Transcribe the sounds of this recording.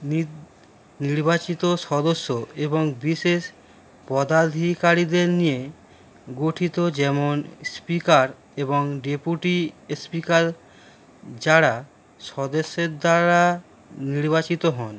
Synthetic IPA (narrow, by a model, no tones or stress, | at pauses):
ni | niɾbat͡ɕit̪oʃɔd̪oʃːoeboŋbiʃeʃ | pɔd̪ad̪ʱikaɾid̪eɾnije | ɡoʈʰit̪od͡ʑɛmonspikaɾ | eboŋɖepuʈispikaɾ | d͡ʑaɾa | ʃɔd̪eʃːeɾd̪aɾa | niɾbat͡ɕit̪oɦɔn